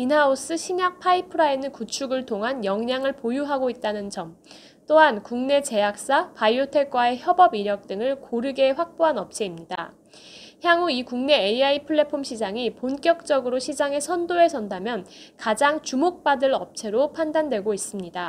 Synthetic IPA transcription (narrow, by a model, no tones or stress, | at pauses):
pinɦaos͈ɯɕʰiɲak̚pʰaipʰɯɾaenɯkut͡ɕʰuɡɯɭtʰoŋɦanjʌŋɲaŋɯɭpojuɦaɡoit̚t͈anɯnd͡ʑʌm | t͈oɦankuŋne̞t͡ɕe̞jak̚s͈apaiotʰe̞k͈wae̞çjʌbʌbiɾjʌk̚t͈ɯŋɯɭkoɾɯɡe̞ɸwak̚p͈oɦanʌp̚t͡ɕʰe̞imɲida̰ | çjaŋuikuŋne̞eiaipʰɯɭːe̞pʰomɕʰid͡ʑaŋiponk͈jʌk̚t͡ɕ͈ʌɡɯɾoɕʰid͡ʑaŋe̞sʰʌndoe̞sʰʌndamjʌnkad͡ʑaŋt͡ɕumok̚p͈adɯɾʌp̚t͡ɕʰe̞ɾopʰandandwe̞ɡois͈ɯmɲida